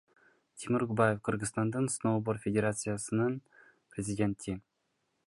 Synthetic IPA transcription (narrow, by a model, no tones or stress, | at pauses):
t̪ʲʰimuɾɡubajefqʰɯɾʁɯzt̪ɑnd̪ɯnsnowboɾfʲedʲeɾat̪sɨjasɯnɯn | prʲɪzʲidʲe̞nt̪ʰi